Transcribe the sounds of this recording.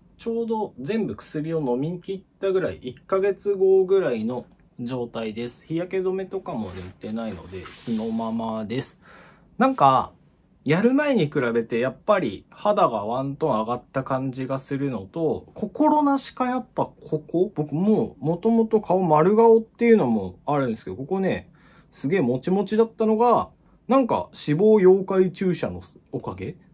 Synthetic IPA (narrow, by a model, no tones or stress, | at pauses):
t͡ɕo̞ːd̪o̞zẽ̞mbɯ̟kɯ̟̥sɨɾʲio̞no̞mʲiɲikʲit̪ːaɡɯ̟ɾaḭʔikːaɡe̞t͡sɨɡo̞ɡɯ̟ɾaino̞ | ʑo̞ːt̪aid̪e̞sɨ̥çijake̞d̪o̞me̞t̪o̞kamo̞̰ɾet̪e̞naino̞̰d̪e̞̰sɨno̞mamad̪e̞sɨ̥ | nãŋka | jaɾɯ̟mae̞ɲ̟ikɯ̟ɾabe̞t̪e̞japːaɾʲḭhad̪aɡaβãnt̪õ̞aɡat̪ːakãɲ̟d͡ʑiɡasɨɾɯ̟no̞t̪o̞kʰo̞ko̞ɾo̞naɕi̥kajapːakʰo̞kʰo̞b̥o̞kɯ̟momo̞t̪o̞mo̞t̪o̞kʰaomaɾɯ̟ɡaot̪ːe̞jɯ̟no̞mo̞aɾɯ̟nd̪eskeokokone̞ | sɨɡe̞ːmo̞t͡ɕimo̞t͡ɕid̪at̪ːano̞ɡa | nãŋka̰ɕibo̞ːjo̞ːkait͡ɕɨːɕano̞̰s | o̞kaɡe̞